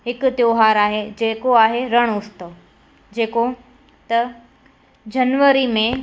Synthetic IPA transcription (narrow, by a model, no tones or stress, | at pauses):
ɦɪkʊt̪joːɦaːɾaːɦed͡ʑeːkoaːɦeɾɐɽ̃ʊst̪əʋ | d͡ʑeːko | t̪ɐ | d͡ʑɐnʋəɾimẽ